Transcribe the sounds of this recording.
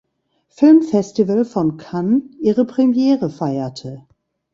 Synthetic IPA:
fɪlmfɛstivəlfɔnkʰanʔiːʁəpʁ̥ɛmjɛːʁəfaɪɐtʰə

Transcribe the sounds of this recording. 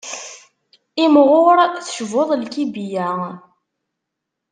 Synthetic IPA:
imʁʊɾθəʃvʊðˤlkibijæ

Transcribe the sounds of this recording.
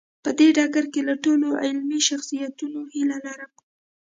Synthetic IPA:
pəd̪eɖɑɡaɾkelaʈoloʔɪlmiʃaxsijat̪unohilalɑɾa

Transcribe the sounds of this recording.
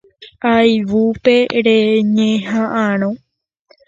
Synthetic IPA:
ajʋupe̞ɾeɲẽɦãʔãɾ̃õ

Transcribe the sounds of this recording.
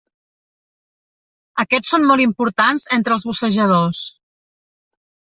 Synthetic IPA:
əkɛsonmɔlˠimpuɾt̪anzent̪ɾəlˠzβusəʒəð̞os

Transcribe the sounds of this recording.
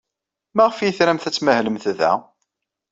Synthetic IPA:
mæʁəfjəθɾæmθæt͡sːməhləmθəðæ̰

